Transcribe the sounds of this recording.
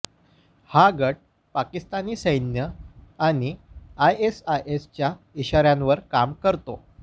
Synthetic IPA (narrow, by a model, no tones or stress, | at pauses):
haɡəʈ̚ | pakist̪aniːsəjnjəaɽ̃iajesajʔest͡ɕja | iɕaɾjãnʋəɾkamkəɾt̪o